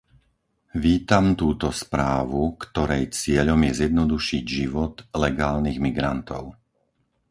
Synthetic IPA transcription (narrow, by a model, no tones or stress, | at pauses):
ʋiːt̪amt̪uːt̪ɔspɾaːʋukt̪ɔɾɛjt͡sɪɛʎɔmjɛzjɛd̪nɔd̪uʃiɟʒiʋɔt̪lɛɡaːlniɣmiɡɾant̪ɔ̰ʊ